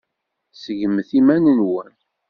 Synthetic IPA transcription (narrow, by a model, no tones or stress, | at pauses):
səʝəmθimænənwən